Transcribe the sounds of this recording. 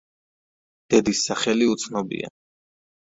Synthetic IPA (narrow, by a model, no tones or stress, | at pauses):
d̪̥ɛd̪isːaχɛliut̪sʰnɔbḭa̰